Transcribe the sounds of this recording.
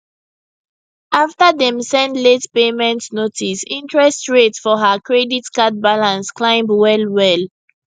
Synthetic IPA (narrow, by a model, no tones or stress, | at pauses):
aftədɛ̃msɛ̃ndletpemɛ̃ntnotisĩntɹɛstɹetfɔɦakɹɛditkat̚balãnsklãɪ̃mwɛlwɛl